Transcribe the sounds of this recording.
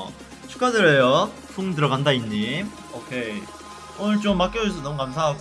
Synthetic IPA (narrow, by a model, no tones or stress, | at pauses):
t͡ɕʰu̥k͈adɯɾejo | pʰuŋtɯɾʌɡandaiɲːim | okʰe | onɯɭt͡ɕomːak͈ʌd͡ʑɯs̬ʰʌnʌmukamsʰaɦaɡ